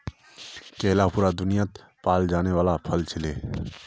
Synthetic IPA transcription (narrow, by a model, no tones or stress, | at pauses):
kɛːlapuːɾad̪ʊnijat̪ | paːld͡ʒaːneʋaːlapʰəlt͡ʃʰɪleː